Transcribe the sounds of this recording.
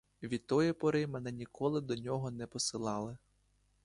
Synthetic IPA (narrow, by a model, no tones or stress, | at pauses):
ʋʲit̪ːɔjɛpɔɾɪmɛnɛnʲikɔlˠɪd̪ɔnʲɔɦɔnɛpɔsɪlˠɑlˠɪ